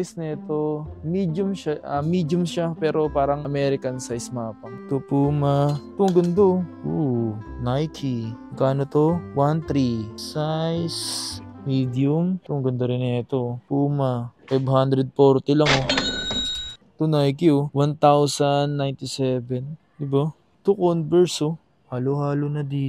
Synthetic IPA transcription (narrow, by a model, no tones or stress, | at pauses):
ajsnɛt̪omid̪jʊmʃaʔɐmiːd̪jʊmʃapɛːɾo̞paːɾɐŋɐmɛɾɪkɐnsajsmaːpɐŋt̪opumat̪ʊŋɡʊnd̪ounajt̪ʰimɐɡaːnot̪owant̪ɾisajsmid̪iʊmt̪ʊŋɡʊnd̪ɐɾɪnɛt̪opuːmɐfajbhand̪ɾɛd̪̚foɾt̪ɪlɐŋo | t̪ʊnajkjowant̪awsɐnːajnt̪ɪsɛvɛn | d̪ɪba | t̪ʊkonbɛɹso | haːlohaːlonɐd̪iː